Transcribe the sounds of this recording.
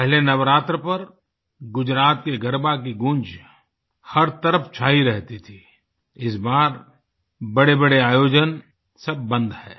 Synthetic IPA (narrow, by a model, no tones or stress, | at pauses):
pɛɦlenɐʋɾaːt̪ɾəpɐɾ | ɡʊd͡ʒɾaːt̪̚keɡɐɾbak̬iɡʊ̃nd͡ʒ | hɐɾt̪əɾəfʰt͡ʃʰaːɦiɾɛɦt̪it̪ʰi | ɪsbaːɾ | bɐɽebɐɽeaːjoːd͡ʒən | sɐbːə̃nd̪hɛː